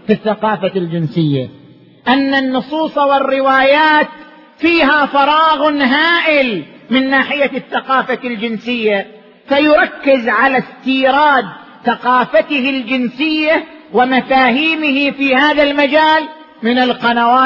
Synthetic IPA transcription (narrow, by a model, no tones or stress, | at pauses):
fiθːaqɑːfald͡ʒɪnsɪjːa̰ | ʔanːanːʊsˤuːsˤɑwɪrːɪwaːjaːt̪ | fiːɦafɑɾˤɑːɣʊnɦaːʔɪlmɪnːaːħɪjaθːaqɑːfald͡ʒɪnsɪjːa | fajʊɾˤɑkːɪzʕalast̪iːɾɑːd̪ | θaqɑːfat̪ɪhɪld͡ʒɪnsɪjːawɪmafaːhiːmɪhɪfiːhaːðalmad͡ʒaːl | mɪnalqɑnawaː